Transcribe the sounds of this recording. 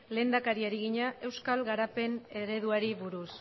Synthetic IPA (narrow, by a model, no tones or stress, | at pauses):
le̞ːnd̪akaɾiaɾiɣiɲaʔe̞wskalɣaɾape̞ne̞ɾe̞ð̞uaɾiβuɾus